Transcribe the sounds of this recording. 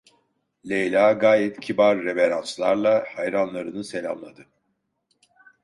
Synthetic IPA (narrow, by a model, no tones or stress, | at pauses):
lʲejlʲaːɡaːjɛt̪cʰibaɾːebeɾant͡ʃlˠaɾlˠahajɾanlˠaɾɯnɯse̞lʲa̰mlˠad̪ɯ